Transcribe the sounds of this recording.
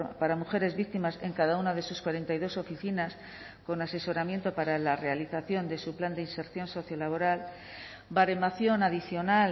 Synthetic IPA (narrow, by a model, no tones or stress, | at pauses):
paɾamuxe̞ɾe̞zβikt̪imase̞ŋkaðaunaðe̞suskwaɾe̞nt̪ajðo̞so̞fiθinas | ko̞nase̞so̞ɾamje̞nt̪o̞paɾalare̞aliθaθjo̞nd̪e̞supland̪einse̞ɾθjo̞nso̞θjo̞laβ̞o̞ɾal | baɾemaθjo̞naðiθjo̞nal